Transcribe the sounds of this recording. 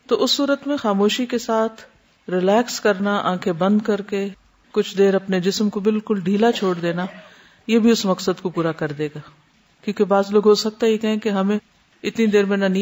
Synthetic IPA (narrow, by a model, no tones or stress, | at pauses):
t̪oːʔʊsːuːɾət̪mẽxaːmoːʃikesaːt̪ʰ | ɾɪlɛːkskɐɾnaʔãːkʰebɐ̃nd̪̚kɐɾke | kʊt͡ʃʰd̪eːɾɐpned͡ʒɪsmkobɪlkʊlɖʱiːlat͡ʃʰoːɽd̪eːna | jebʱiʊsmɐksəd̪kopuːɾakɐɾd̪eːɡaː | kjõːkebaːzloːɡɦosɐk̚t̪ajekɐɦẽkeɦɐmẽ | ɪt̪nid̪eːɾmẽnanĩ